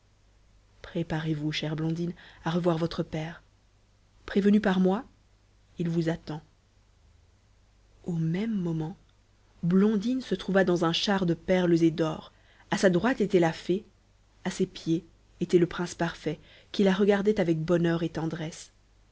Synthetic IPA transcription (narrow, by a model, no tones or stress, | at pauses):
pχepaʁevuʃɛʁblɔ̃d̪inaʁəvwaʁvɔt̪χəpɛːʁ | pχevənypaʁmwa | ilvuzat̪ɑ̃ | omɛmːɔmɑ̃ | blɔ̃d̪insət̪χuvad̪ɑ̃zɛ̃ʃaʁd̪əpɛʁləzed̪ɔːʁ | asad̪ʁwat̪et̪ɛlafe | asepje | et̪ɛləpχɛ̃spaʁfɛ | kʲilaʁəɡaʁd̪ɛt̪avɛk̚bɔnœʁet̪ɑ̃d̪ʁɛs